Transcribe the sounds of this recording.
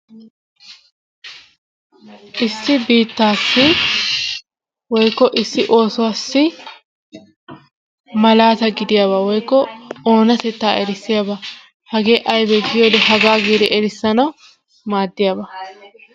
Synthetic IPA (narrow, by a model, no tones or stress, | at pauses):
ʔɪsːɪbiːt̪ːaːsːɪ | wɔjkːɔʔɪsːɪʔo̞ːsʊwaːsːɪ | mɐlaːt̪ɐɡɪd̪ɪjaβɐwɔjkːɔo̞ːnɐt̪ɛt̪ːaːɛɾɪsːɪjabɐ | hɐɡe̞ːʔɐjbɛɡɪjoːd̪ɛɦɐɡaːɡiːd̪ɛʔɛɾɪsːɐnɐw | maːd̪ːɪjabɐ